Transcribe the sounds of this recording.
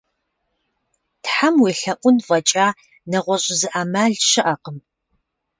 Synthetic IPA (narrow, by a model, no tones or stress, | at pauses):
tħamweːɬɐʔʷʊnvɐt͡ʃʼaː | nɐʁʷɔɕʼɪzɨʔaːmaɮʃɨʔɐqəm